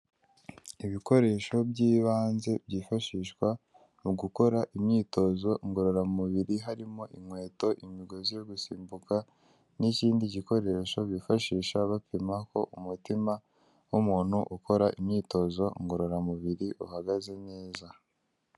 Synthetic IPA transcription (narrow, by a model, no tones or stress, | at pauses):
iβiko̞ɾe̞ʃo̞bɟiːβaːnze̞bɟiːfaʃiːʃkwa | uɡuko̞ɾaʔimɲiːto̞zo̞ŋɡo̞ɾo̞ɾamuβiɾiɦaɾimoʔiŋwe̞ːto̞ʔimiɡo̞zijo̞ɡusiːmbuka | niciːndiɟiko̞ɾe̞ʃo̞βifaʃiːʃaβapimako̞ʔumutima | wumuːn̥huʔuko̞ɾaʔimɲiːto̞zo̞ŋɡo̞ɾo̞ɾamuβiɾiʔuhaɡaze̞ne̞ːza